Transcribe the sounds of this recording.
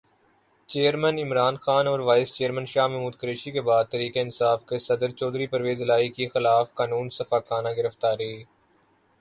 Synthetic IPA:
t͡ʃeːəɾmənɪmɾaːnxaːnɔːɾʋaːɪst͡ʃeːəɾmə̃nʃaːɦmɛɦmuːd̪̚kəɾeːʃikebaːd̪̚t̪ɐɾiːkeɪnsaːfkesɐd̪əɾt͡ʃɔːd̪ɾipɐɾʋeːzɪlaːikixɪlaːfkaːnũːnsɐfaːkaːnaɡɪɾəft̪aːɾeː

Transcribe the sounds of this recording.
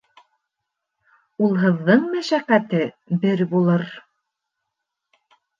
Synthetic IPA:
ulˠɦɤ̆ðːɤɴmæʃæqːæt̪ɘ | bɘɾbulˠɤɾ

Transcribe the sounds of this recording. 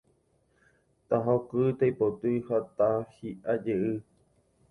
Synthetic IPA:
t̪aɦokɨt̪aipot̪ujhat̪ahiʔad͡ʒeʔɨ

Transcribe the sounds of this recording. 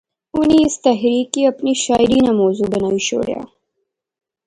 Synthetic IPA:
ʊnist̪ɐɦɾiːkiɐpniʃaːjɾiːnamoːzubɐnaiʃo̰ːɽja̰

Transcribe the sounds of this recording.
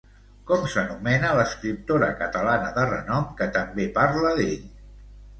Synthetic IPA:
kɔmsənumɛnələskɾip̚t̪oɾəkət̪əlanəðərə̰nɔmkət̪əmbepaɾləðeʎ

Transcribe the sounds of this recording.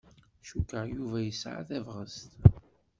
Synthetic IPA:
ʃukːəʁjuvæjəsʕa̰θævʁəst̪

